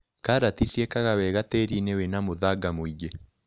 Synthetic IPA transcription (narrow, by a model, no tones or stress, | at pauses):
kaɾatisiɛkaɣawɛɣatɛɾinewenamoðaɡamoiɡe